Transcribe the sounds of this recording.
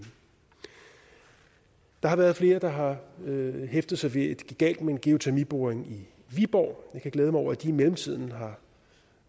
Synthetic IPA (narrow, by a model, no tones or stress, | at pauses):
d̥ɑ̈hɑ̈ʋæːɐðˠfle̝ːɐd̥ɑ̈ɦɑ̈ | ɦefd̥ð̩ˠsɑ̈ɪʋe̝ed̥ɡ̥ɡ̥ɛ̰ld̥mee̝nɡ̥e̝o̝t͡sʰæɐmib̥o̝ːɐeŋi | ʋib̥ɒʊ̰jɑ̈ɪkʰæɡ̥leːð̞ˠmɑɪɒ̰ɐæd̥iimelm̩t͡sʰið̞̰ˠn̩ɦɑ̈